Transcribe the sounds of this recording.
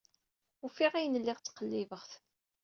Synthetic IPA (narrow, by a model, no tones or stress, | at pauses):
ufiʁijənəlːɪʁt͡sːqəlːivəʁθ